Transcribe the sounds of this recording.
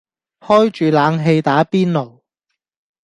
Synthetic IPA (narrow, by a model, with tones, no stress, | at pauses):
hɔː˥jt͡ʃyː˨laː˨˧ŋɦe˧jt̪aː˨˥piː˥nlo˨˩w